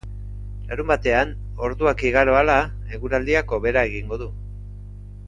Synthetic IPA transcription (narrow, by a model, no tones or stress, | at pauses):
laɾumbat̪e̞an | o̞ɾðuakiɣaɾo̞ala | eɣuɾald̪iako̞βe̞ɾae̞ɣiŋɡo̞ðu